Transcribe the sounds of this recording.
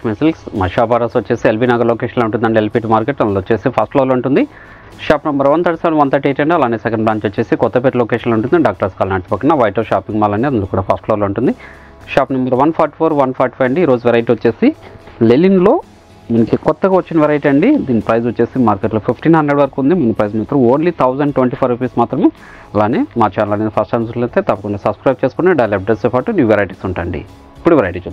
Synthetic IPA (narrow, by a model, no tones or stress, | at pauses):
mesilsmɐʃaːpaːɾaːsʋɐt͡ʃːe̞ːsielpinaːɡɐloːkeːʃɐnlouɳʈ̬und̪ɐɳɖielpiːʈmaːɾkeʈːɐnlot͡ʃːeːsipʰɐsʈloːloːuɳʈund̪i | ʃaːpnɐmbɐɾʋɐnt̪ʰɐɽɐsaːnʋɐnt̪ɐʈːeːʈɐɳɖiɐlaːnːiːsɛkɐɳɖplaːnt͡ʃot͡ʃːeːsikɔt̪ːɐpeːɾuloːkeːʃɐnlouɳʈund̪ɖaːk̚ʈɐɾskaːlnɐɽt̪i̥pɐkːɐnaʋɐjʈoːʃaːpiŋɡmaːlɐniɐnd̪lɐkuːɽaːpʰɐsʈloːloːuɳʈund̪i | ʃaːpnɐmbɐɾʋɐnpʰaːɾʈi̥pʰoːɾʋɐnpʰaːɾʈi̥pʰɐjʋɐɳɖiːɾo̞ːd͡ʒuʋɛɾɐjʈiʋot͡ʃːe̞ːsilelinlo̞ː | minɐkikɔt̪ːɐɡaːʋot͡ʃːinɐʋɛɾɐjʈiɐɳɖid̪iːnipɾɐjzot͡ʃːe̞ːsimaːɾkeʈloːpʰipʰʈiːnɦɐnd̪ɾeɖʋɐɾɐkund̪imɐnipɾɐjzmaːt̪ɾɐmoːnlit̪ʰɐwzɐɳɖʈʋeɳʈiːpʰɐɾipiːsmaːt̪ɾɐmeː | ɐlaːneːmaːt͡ʃaːnɐlɐnid̪ɐpʰɐsʈɐnus̬ulɐnt̪et̪ɐpːɐkuɳɖaːsɐbskɾɐjb̚t͡ʃeːskuneɖɐjlep̚ʈɐsepaːʈunuːʋeɾaːjʈiːsuɳʈaːɳɖḭ | ipːuɽuʋeɾaːjʈiːt͡ʃuːd̪